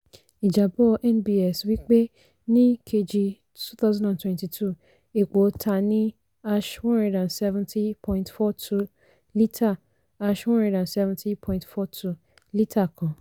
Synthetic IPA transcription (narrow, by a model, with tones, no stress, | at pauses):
i˨d͡ʒa˨bɔ˦ʔɛ˦nbi˦ɛ˨swi˦k͡pe˦ | nĩ˦kʰe˦d͡ʒi˧ | tu˦θa˦zã˦ndã˨ntwɛ̃˦nti˨tʰu˦ | e˨k͡po˨tʰa˨nĩ˦ | a˦ʃwɔ̃˦nɛ̃˨˦dã˨nsɛ˦vɛ̃˦ntʰi˦pʰɔ̃˦ĩntfɔ˦tʰu˦ | li˦tʰa˦˨ | a˦ʃwɔ̃˦nɾɛ̃˨dã˨nsɛ˦vɛ̃˦nti˦pʰɔ̃˦ĩntfɔ˦tʰu˦ | li˦tʰa˦˨kʰã˨